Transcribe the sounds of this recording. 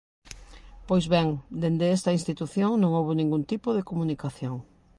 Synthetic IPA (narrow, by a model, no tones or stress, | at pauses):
pojzβɛŋd̪end̪eest̪ɐĩnst̪it̪uθjoŋnõŋowβonĩŋɡunt̪ipoðekomunikaθjoŋ